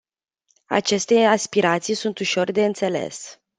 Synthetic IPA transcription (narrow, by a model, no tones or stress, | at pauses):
a̰t͡ʃe̞st̪e̞aspiɾat̪sijsunt̪uʃo̞rd̪e̞ɨnt̪se̞le̞̰s